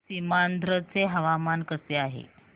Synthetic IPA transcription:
simand̪ʱɾət͡seɦəʋamankəseaɦḛ

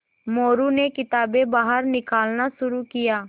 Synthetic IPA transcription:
moːɾuːneːkɪt̪aːbeːbaːɦəɾnɪkaːlnaːsʊɾuːkɪjaː

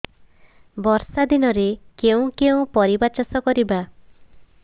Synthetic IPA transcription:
bɔɾsad̪inɔɾekeũkeũpɔɾibat͡ʃɔsɔkɔɾiba

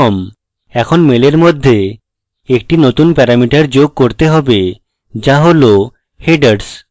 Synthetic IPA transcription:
ɔm | ɛkʰonmeleɾmod̪ʱːe | ek̚ʈinot̪unpɛɾamiʈaɾd͡ʑoɡ̚koɾt̪eɦɔbe | d͡ʑaɦolo | heɖaɖs

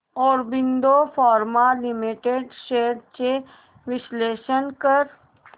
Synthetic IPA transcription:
ɔːɾbɪ̃nd̪ofʰɔːɾmalɪmiʈeɖʃeːəɖt͡ʃe | ʋɪsleːʃənkəɾ

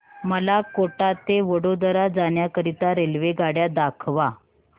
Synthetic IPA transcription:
məlakoʈat̪eʋəɽod̪əɾad͡zaɳjakəɾit̪aɾelʋeɡaɽjad̪akʰʋa

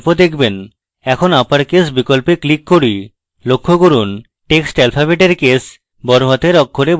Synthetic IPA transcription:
pod̪ekʰben | ɛkʰonapaɾkesbikolpeklikːoɾi | lokʰːokoɾun | ʈeksʈɛlfʰabeʈeɾkes | bɔɾɦat̪eɾɔkʰːoɾeb

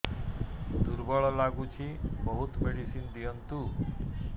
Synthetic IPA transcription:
d̪uɾbɔɭɔlaɡut͡ʃʰibɔɦut̪meɽisind̪ijənt̪u

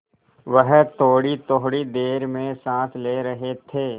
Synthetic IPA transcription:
ʋəɦt̪oːɽit̪oɦɽid̪eːɾmẽsãːt̪ʰleːɾɐɦet̪ʰeː

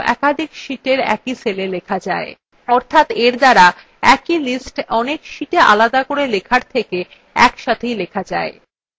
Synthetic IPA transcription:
ʔɛ̰kad̪ʱikʃiʈeɾɛ̰kiselelekʰad͡ʑa̰e | ɔɾt̪ʰat̪eɾd̪aɾa | ɛkilisʈɔnekʃiʈeʔa̰lad̪akoɾelekʰaɾt̪ʰeke | ɛ̰kʃat̪ʰejlekʰad͡ʑa̰e

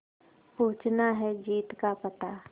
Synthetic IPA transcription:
puːt͡ʃnaɦɛd͡ʒiːt̪kapɐt̪a

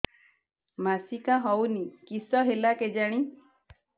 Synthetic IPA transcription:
masikaɦɔwnikisɔɦelaked͡ʒaɽ̃i

